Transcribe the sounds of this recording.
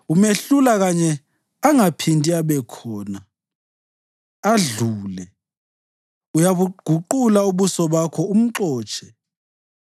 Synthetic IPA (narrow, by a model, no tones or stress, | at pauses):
umeɬulaɣaɲɛ | aŋapʰintʼiaβɛkʰɔːna | aɮuːlɛ | ujaβuɡ̥ʱuǃulauβusɔβakʰɔum̩ǁɔːt͡ʃʰʼɛ̥